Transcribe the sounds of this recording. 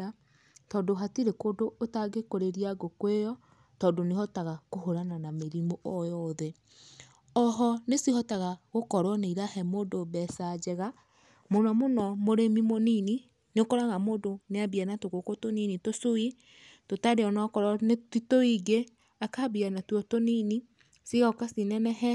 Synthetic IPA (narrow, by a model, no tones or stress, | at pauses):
a | tɔndoɦatiɾekoːdoːtaɡekoɾeɾiaɡokwejɔ | tɔːndonehɔtaɣakoɦoɾananameɾimoʔɔjɔðɛ | ɔɦɔnesihɔtaɣaɣokɔɾwɔneiɾahɛmoːdobɛsad͡ʒɛɣa | monɔmonɔmoɾemimonini | neokɔɾaɣamodoneabianatoɣokotoninitosoi | totaɾeɔnɔkɔɾɔnetitoiɡe | akabianatwotonini | siɣakasinɛnɛɦɛ